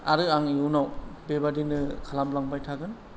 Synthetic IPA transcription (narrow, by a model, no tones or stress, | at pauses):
a̰ɾɯaŋiuwnawbebadinɯkʰalamlaŋbajtʰaɡɯn